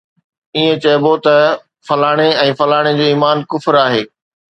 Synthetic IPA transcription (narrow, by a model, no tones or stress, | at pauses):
iːẽt͡ɕɐːbot̪ɐ | fɐlaːɽ̃eɛ̃ːfɐlaːɽ̃ed͡ʑeːiːmaːnkʊfɪɾaːɦeː